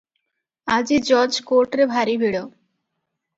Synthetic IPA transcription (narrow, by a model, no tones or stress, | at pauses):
ad͡ʑid͡ʑɔd͡ʑkoɾʈɾebʱaɾibʱiɽo